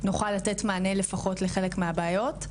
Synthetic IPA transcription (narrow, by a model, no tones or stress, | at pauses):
nuχalːate̞tmaːnele̞faχo̞tleχe̞lekmeabaːjo̞t